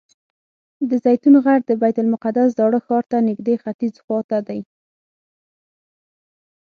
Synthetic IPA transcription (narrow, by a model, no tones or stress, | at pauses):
d̪əzajt̪unoɣaɽd̪əbajt̪ʊlmʊqad̪asd̪ɑɽəxɑɾt̪anɪɡd̪exat̪izxwɑt̪ad̪aj